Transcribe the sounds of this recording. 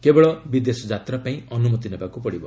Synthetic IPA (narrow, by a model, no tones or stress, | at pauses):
kebʌɭʌbid̪esd͡zat̪rapaĩʌnumʌt̪inebakopʌɽibʱʌ̰